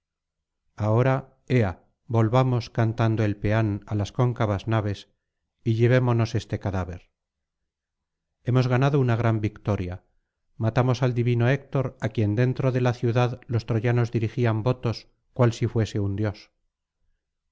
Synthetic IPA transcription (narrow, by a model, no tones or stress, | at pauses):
ao̞ɾa | ea | bo̞lβamo̞skant̪and̪oe̞lpe̞analasko̞ŋkaβaznaβ̞e̞s | iʎe̞β̞e̞mo̞no̞se̞st̪e̞kaðaβe̞ɾ | e̞mo̞zɣanaðounaɣ̞ɾambikt̪o̞ɾja | mat̪amo̞sald̪iβino̞ek̚t̪o̞ɾakje̞nd̪e̞nt̪ɾo̞ðe̞laθjuðaðlo̞st̪ɾoʝano̞zðiɾixiambo̞t̪o̞s | kwalsifwe̞se̞und̪jo̞s